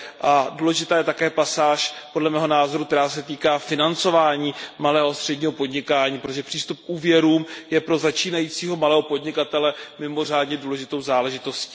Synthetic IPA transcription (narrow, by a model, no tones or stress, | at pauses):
ʔaduːlɛʒɪt̪aːjɛt̪akɛːpasaːʃpo̞dlɛmɛːɦo̞naːzo̞ɾukt̪ɛɾaːsɛt̪iːkaːfɪnant͡so̞vaːɲiːmalɛːɦoast̪r̥ɛdɲiːɦo̞po̞dɲɪkaːɲiːpɾot̪oʒɛpr̥iːst̪up̚kʔuːvjɛɾuːmjɛpɾo̞zat͡ʃiːnajit͡siːɦo̞malɛːɦo̞po̞dɲɪkat̪ɛlɛmɪmo̞r̝aːdɲɛduːlɛʒɪt̪o̞wzaːlɛʒɪt̪o̞sci̥ː